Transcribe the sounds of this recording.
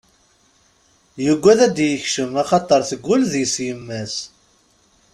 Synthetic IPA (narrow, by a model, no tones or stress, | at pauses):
jəɡʷːæðæd̪jəçʃəmɑχɑt̪ˤəɾˤθəɡʷːʊlðjəsjəmːæs